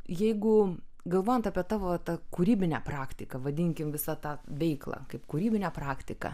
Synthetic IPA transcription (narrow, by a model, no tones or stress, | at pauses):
jɛɪɡʊ | ɡɐlˠʋoːjɛnt̪ɐpʲiɛt̪ɑːʋoɐt̪ɑkuɾʲiːbʲɪnʲæːpɾɑːkt̪ʲɪkɐʋɐd̪ʲɪŋʲkʲɪmʋʲɪsɑt̪ɑːʋʲɛɪklˠɑ̰ːkɐɪpkuɾʲiːbʲɪnʲɛːpɾɑːkt̪ʲɪkɐ̰